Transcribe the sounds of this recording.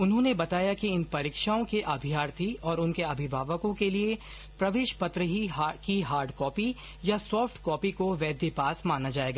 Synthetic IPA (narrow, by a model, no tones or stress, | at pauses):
ʊnɦõːnebɐt̪aːjakiɪnpɐɾiːkʃaːõkeʔɐbʱijaːɾt̪ʰiɔːɾʊnkeɐbʱɪbʱaːʋəkõkelie | pɾɐʋeːʃpɐt̪ɾəɦiɦkiɦaːɾɖkɔːpi | jasɔːfʈkɔːpikoʋɛːd̪ʱjepaːsmaːnad͡ʒaːeːɡaː